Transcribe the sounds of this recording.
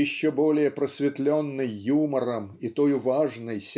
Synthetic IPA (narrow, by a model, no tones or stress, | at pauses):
ɪɕːobolʲɪjəpɾəsʲvʲɪt̪lʲonːɨjjuməɾəmit̪ojʊvaʐnəjsʲ